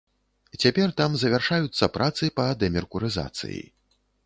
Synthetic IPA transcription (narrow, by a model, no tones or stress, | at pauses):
t͡sʲapʲɛrt̪amzɐvʲarʂajut̪sːɐpɾʔat̪sɨpɐd̪ɛmʲɛrkuɾɨza̰t̪sɨ̰jḭ